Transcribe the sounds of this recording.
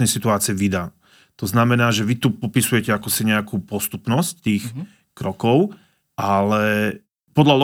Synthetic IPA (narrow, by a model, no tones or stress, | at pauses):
nɛjsit̪uaːt͡siɛʋid̪aː | t̪ɔznamɛnaːʒɛʋit̪upɔpisujɛcɛakɔsiɲɛakuːpɔst̪upnɔsc̚t̪iːx | kɾɔkɔʊ | ʔalɛ | pɔd̪ʎalɔ